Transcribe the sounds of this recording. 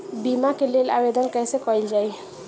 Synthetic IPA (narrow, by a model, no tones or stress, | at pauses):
bimakelela̰bed̪ənkãjsekɔild͡ʒaj